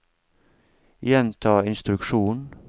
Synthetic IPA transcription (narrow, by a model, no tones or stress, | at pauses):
jɛnt̪ʰɑːɪnst̪ɾʉkʃuːn